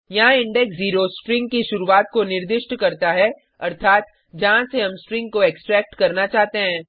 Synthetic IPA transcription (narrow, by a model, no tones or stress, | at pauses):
jɐɦãɪ̃ɳɖɛksziːɾosʈɾɪ̃ŋɡ̚kiʃʊɾuaːt̪̚konɪɾd̪ɪʃʈkɐɾt̪aɦɛ | ɐɾt̪ʰaːt̪ | d͡ʒɐɦãseɦɐmsʈɾɪ̃ŋɡ̚koeːksʈɾɛːk̚ʈkɐɾnat͡ʃaːɦt̪eɦɛ̃ː